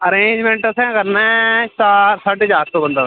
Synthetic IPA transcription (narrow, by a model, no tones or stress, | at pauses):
əɾeːɲd͡ʒmẽɳʈəsɛ̃ːkəɾnat͡ʃaːɾsəʈd͡ʒaːk̚t̪oːbə̃nd̪aː